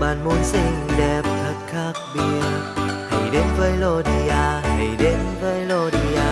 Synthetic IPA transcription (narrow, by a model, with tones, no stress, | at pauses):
ɓaː˨˩nmu˨˦ənsï˧ŋ̟ɗɛ˨˩p̚t̪ʰə˨˦˩t̚xaː˦˥k̚ɓi˧˩əha˨˩jɗe˨˦nvəː˨˦jlo˧˩ɗi˧aː˧ha˨˩jɗe˨˦nvəː˨˦jlo˧˩ɗi˧aː˧